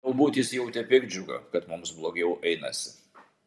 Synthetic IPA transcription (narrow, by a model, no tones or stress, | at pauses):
ɐʊbuːt̪ʲjɪsjɛʊt̪ʲɛpʲɪɡʲd͡ʒʲʊɡɐ̰kɐt̪mʊmsblˠoːɡʲɛʊʔɛɪnɐ̰sʲɪ